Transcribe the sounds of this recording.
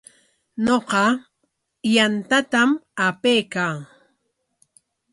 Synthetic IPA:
noqɑ | jant̪at̪amapeːkaŋ

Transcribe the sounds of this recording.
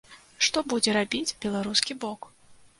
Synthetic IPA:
ʂt̪ɔbud͡zʲɛɾabʲit͡sʲbʲɛlˠaɾuskʲibɔk

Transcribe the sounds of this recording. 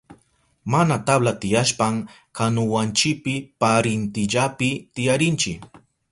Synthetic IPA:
manat̪ablat̪ɪjaʃpaŋ | kanʊwant͡ʃɪk̚pɪpaɾɪnt̪ɪʎapɪt̪ɪjaɾɪnt͡ʃɪ

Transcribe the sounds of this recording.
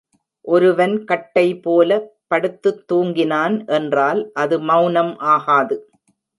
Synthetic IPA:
ʔɔɾɯʋɐnkɐʈːɐɪpoːlɐpːɐɽɯt̪ːɯt̪ːuːŋɡɪnaːnʔɛndraːlʔɐðɯmɐʊnɐmʔaːɣaːðɯ

